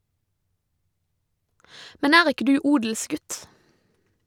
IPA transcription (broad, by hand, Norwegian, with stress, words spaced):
ˈmɛn ˈæːʁ ˈɪkə ˈdʉː ˈuːdəlˌsɡʉt